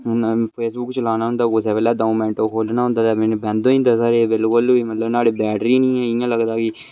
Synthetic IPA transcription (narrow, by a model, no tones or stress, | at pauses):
npʰeːsbʊkːt͡ʃəlaːnaːɦʊ̃nd̪aːos̬ɛːʋəːlaːdoːkːmɛ̃ːɳʈoːkʰoːlnãːɦʊ̃nd̪aːt̪aːmɛ̃nːbɛ̃ːnd̪õĩnd̪əsaɾeːbɪlkʊliːmət̪ləbnaːɽeːbɛːʈɾiːnĩːɛ̃ːɪjãːləɡd̪aːkɪ